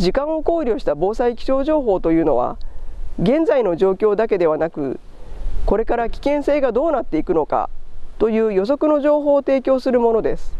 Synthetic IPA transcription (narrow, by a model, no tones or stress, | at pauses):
d͡ʑikãɰ̃o̞ko̞ːɾʲo̞ɕi̥t̪abo̞ːsaikʲi̥ɕo̞ːʑo̞ːɦo̞ːt̪o̞jɯ̟ːno̞̰βa̰ | ɡẽ̞nd͡zaino̞ʑo̞ːkʲo̞ːd̪ake̞d̪e̞βanakɯ̟̰ | ko̞ɾe̞kaɾakʲi̥kẽ̞ɰ̃se̞ːɡad̪o̞ːnat̪ːe̞ikɯ̟no̞ka̰t̪o̞jɯ̟ːjo̞s̬o̞kɯ̟no̞ʑo̞ːɦo̞ːt̪e̞ːkʲo̞ːsɨɾɯ̟mo̞no̞d̪e̞sɨ̥